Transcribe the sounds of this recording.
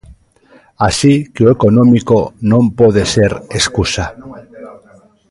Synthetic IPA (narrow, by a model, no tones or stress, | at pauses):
asikeoeko̞nõmikonõmpoðeseɾeskusa